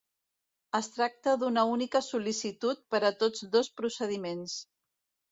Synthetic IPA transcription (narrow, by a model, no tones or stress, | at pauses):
əst̪ɾak̚t̪əðunəunikəsulisit̪ut̪̚pəɾət̪od͡zðospɾusəð̞imens